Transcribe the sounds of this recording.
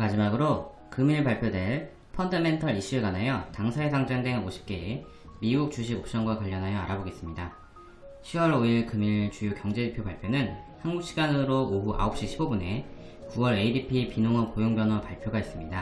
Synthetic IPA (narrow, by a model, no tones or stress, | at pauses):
mad͡ʑimaɡɯɾo | kɯmiɭpaɭpʰjodwe̞ɭ | pʰʌndɯme̞ntʰʌɾiɕ͈ieɡanajʌtaŋsʰaesʰaŋd͡ʑaŋdeŋoɕʰi̥p̚k͈e̞e | miɡuk̚t͡ɕuɕ̬ʰiɡok̚ɕ͈ʌŋɡwakwaʎːʌnɦajʌaɾaboɡes͈ɯmɲida | ɕʰiwʌɾoiɭkɯmiɭt͡ɕujokʲjʌŋd͡ʑe̞depʰjobaɭpʰjonɯn | hanɡuk̚ɕ͈ʰiɡanɯɾoːɦuʔa̰op̚ɕ͈iɕʰibobune̞ | kuwʌɾe̞idipʰipinoŋʌnpojoŋbjʌnʌpaɭpʰjoɡais͈ɯmɲida